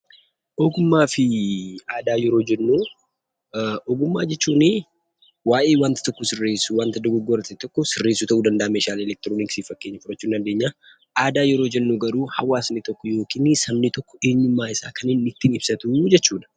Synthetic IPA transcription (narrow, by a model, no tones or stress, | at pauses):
ʔɔɡʊmːaːfɪaːd̪aːjɛɾoːd͡ʒɛnːuː | ʔɔɡʊmːaːd͡ʒɛt͡ʃːuːnɪ | waːʔeːwaːnt̪ɐt̪ɔkːɔsɪrːeːsuwaːnt̪ɐd̪ɔɡɔɡɔɾɐt̪ɛt̪ɔkːɔsɪrːe̞ːsuːt̪ɐʔuːd̪ɐnd̪ɐʔːmeːʃaːlɛlɛk̚t̪ɪɾoːnɪksiːfɐkːe̞ːɲːɐfʊɾɐt͡ʃːuːnɐd̪e̞ːɲːaː | ʔaːd̪aːjɛɾoːd͡ʒɛnːuɡɐɾuːhɐwaːsnɪt̪ɔkːɔjo̞ːkiːnːɪsɐmnɪt̪ɔkːɔ̥e̞ːɲːʊmːaːɪsaːkʰɐnɪnːɪt̪ːiːnɪb̥sɐt̪ud͡ʒɛt͡ʃːuːᶑ̪ɐ̥